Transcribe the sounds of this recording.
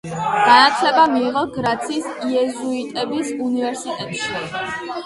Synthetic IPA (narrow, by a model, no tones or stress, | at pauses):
ɡ̥anat̪sʰlɛbamiːʁɔɡɾat̪sʰiːsiɛzuit̪ʼɛbisunivɛɾsit̪ʼɛt̪ʼʃi